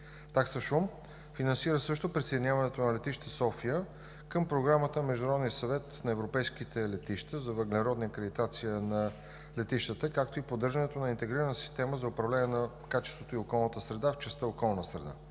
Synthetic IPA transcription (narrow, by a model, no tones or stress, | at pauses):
t̪aksəʃum | finɐnsiɾəsɤʃt̪opɾisejd̪inʲjavɐnɛt̪onɐlɛt̪iʃt̪əsɔfijə | kəmpɾoɡɾamət̪əmɛʒd̪ʊnɾɔd̪nijəsɐvɛt̪nɐɛvɾopɛjsk̟it̪ɛlɛt̪iʃt̪əzɐvəɡlɛɾɔd̪niəkɾɛd̪it̪at̪sijənɐ | lɛt̪iʃt̪ət̪əkakt̪oipod̪ɤɾʒənɛt̪onɐint̪ɛɡɾiɾənəsi̥st̪ɛməzɐʊpɾɐvlɛnʲɛnɐ | kat͡ʃɛ̥st̪vot̪oiokɔlˠnət̪əsɾɛd̪aft͡ʃɛst̪əokɔlˠnəsɾɛd̪a̰